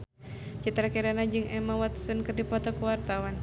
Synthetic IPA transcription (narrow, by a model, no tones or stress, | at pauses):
t͡ʃit̪ɾakɛɾanad͡ʒɨŋɛmawat̪u̥sunkɨrdipɔt̪ɔkuwart̪awan